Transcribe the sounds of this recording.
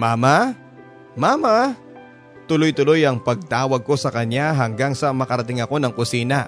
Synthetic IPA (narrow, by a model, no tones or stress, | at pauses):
maːma | maːma | t̪ʊlojt̪ʊlo̞jɐŋpɐɡ̚t̪aːwɐɡ̚ko̞sɐkɐɲjaɦɐŋɡaŋsɐmɐkɐɾɐt̪ɪŋɐko̞nɐŋkʊsiːnɐ̰